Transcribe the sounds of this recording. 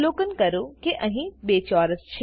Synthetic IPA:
loːkənkɐɾokeʔɐ̃ɦĩbeːt͡ʃɔːɾəst͡ʃʰ

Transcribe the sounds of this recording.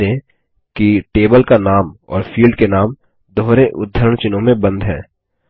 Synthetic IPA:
ẽ | kiʈeːbəlkanaːmɔ̰ːɾfʰiːlɖkenaːm | d̪ʱoːɾeʔʊd̪ʱːəɾəɳt͡ʃɪnõmẽbə̃nd̪ʱɦɛ̃ː

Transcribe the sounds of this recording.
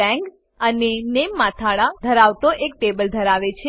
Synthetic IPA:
ɛ̃ŋɡ | ənenemːat̪ʰaɭad̪ʱəɾaʋt̪oʔek̚ʈebəld̪ʱəɾaʋet͡ʃʰe

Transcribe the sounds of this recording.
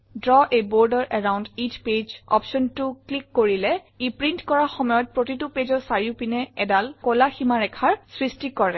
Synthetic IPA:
dɹɔʔebɔɹdəɹʔɛɹawnditʰped͡ʒɔ̰pʃɔntʊklikːoɹilɛ | ipɹintkɔɹaxɔmɔjɔt̚pɹotitʊped͡ʒɔɹsaɹiʊpinɛɛdalkɔlaximaɹɛkʰaɹsɹistikɔɹɛ

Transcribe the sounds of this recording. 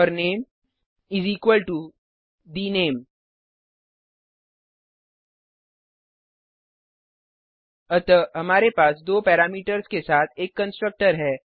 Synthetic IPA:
əɾneːm | ɪziːkwəlʈu | d̪ineːm | ɐt̪əɦɐmaːɾepaːsd̪oːpɛːɾaːmiːʈəɾskesaːt̪ʰeːkːə̃nsʈɾək̚ʈəɾɦɛː

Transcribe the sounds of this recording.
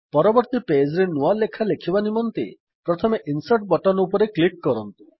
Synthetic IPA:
pɔɾɔbɔɾt̪iped͡ʒɾenualːekʰalekʰibanimɔnt̪ḛ | pɾɔt̪ʰɔmeʔinsaʈ̚bɔʈɔnupɔɾeklik̚ːɔɾɔnt̪u̥

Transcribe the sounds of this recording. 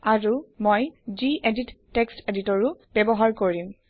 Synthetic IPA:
aɹumojziʔeditːeksteditɔɹʊb̥ɛbɔɦaɹkoɹim

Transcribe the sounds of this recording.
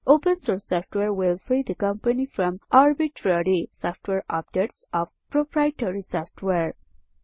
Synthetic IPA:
ʔoːpə̃nsoɾsɔfʈweɾwɪlfɾid̪əkʌ̃mpənifɾɔ̃mʔaɾbiʈʰɾəɾisɔfʈʰweɾap̚deʈsɔʋpɾopɾajʈəɾisɔfʈʰweɹ

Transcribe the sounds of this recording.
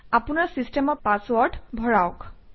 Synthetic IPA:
apunaɹsistɛmɔɹpaswɔɹdbʱɔɹaʊk

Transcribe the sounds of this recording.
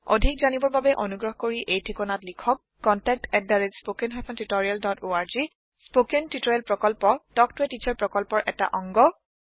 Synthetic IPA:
o̰dʱikzanibɔɹbabɛʔonuɡɹɔɦɔkoɹiʔejtʰikɔnatlikʰɔkːɔntɛk̚tɛddaɹitspokenɦapʰɔntutɔɹialdɔtoaɹzi | spokentitɔɹɛlpɹɔkɔlpɔtɔk̚tʊɛtit͡ʃʰaɹpɹɔkɔlpɔɹʔɛta̰ʔɔŋɡɔ

